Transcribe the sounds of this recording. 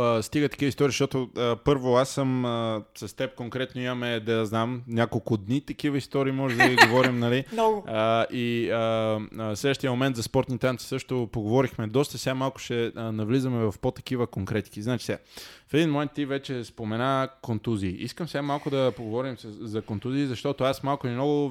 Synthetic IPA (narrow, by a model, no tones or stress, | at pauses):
st̪iɡət̪ɐ̥kivist̪ɔɾiʃt̪ɔt̪ʊəpɤɾvoasːəməsɐst̪ɛp̚koŋkɾɛt̪noimɐmɛd̪ɛd̪znamnʲakolˠkʊd̪nit̪ɐkivəist̪ɔɾiːmɔʒɛd̪ɐɡiɡovɔɾimnɐlinɔvəiəslɛd̪əʃt̪iəmomɛnt̪zɐspɔɾt̪nit̪ant̪i̥sɤʃt̪opoɡovɔɾixmɛd̪ɔst̪əsʲamːalˠkʊ̥ʃɛnɐvlizɐmɛvɐfpot̪ɐ̥k̟ivəkoŋkɾɛt̪kiznat͡ʃisɛafɛd̪inmomɛnt̪ːivɛt͡ʃɛspomɛnakont̪uziːʔiskəmsʲamːalˠkʊd̪ɐpoɡovɔɾimzɐkont̪uziːzɐʃt̪ɔt̪ʊasmalˠkʊimnɔɡʊ